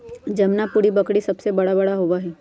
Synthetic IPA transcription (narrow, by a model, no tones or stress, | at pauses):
d͡ʒɐmnapuɽibɐkɽisɐbsebɐɽabɐɽaɦoʋaɦɛː